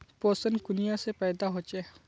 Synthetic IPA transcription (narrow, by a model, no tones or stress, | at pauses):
poːsənkʊnijãsepɛːd̪aɦot͡ʃeː